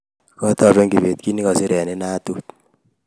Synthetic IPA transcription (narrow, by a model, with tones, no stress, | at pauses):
kɔ˦t̪ɔ˨ɾe˦ŋɡi˨ve˨t̪ki˦ni˦kɔ˨si˦ɾɛ˨ne˦na˦tu˦t